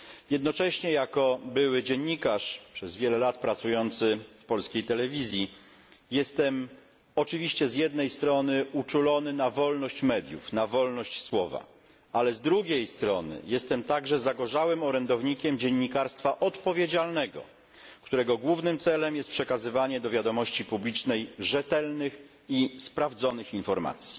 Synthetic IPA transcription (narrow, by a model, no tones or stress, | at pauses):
jɛd̪nɔt͡ʂɛɕɲɛjakɔbɘwɘd͡ʑɛɲːikaʂpʂɛzvʲjɛlɛlat̪pɾat̪sujɔnt̪sɘfpɔlskʲejt̪ɛlɛvʲizʲji | jɛst̪ɛm | ɔt͡ʂɘvʲiɕt͡ɕɛzʲjɛd̪nɛjst̪ɾɔnɘut͡ʂulɔnɘnavɔlnɔɕt͡ɕmɛd̪ʲjṵfnavɔlnɔɕt͡ɕswɔva̰ | alɛzd̪ɾuɡʲejst̪ɾɔnɘ̰jɛst̪ɛmt̪aɡʐɛzaɡɔʐawɘmɔɾɛnd̪ɔvɲikʲɛmd͡ʑɛɲːikaɾst̪faʔɔt̪pɔvʲjed͡ʑalnɛɡɔ̰ | kt̪uɾɛɡɔɡwuvnɘmt̪sɛlɛmjɛst̪pʂɛkazɘvaɲɛd̪ɔvʲjad̪ɔmɔɕt͡ɕipublʲit͡ʂnɛjʐɛt̪ɛlnɘx | ispɾavd̪zɔnɘxinfɔɾma̰t̪sʲji̥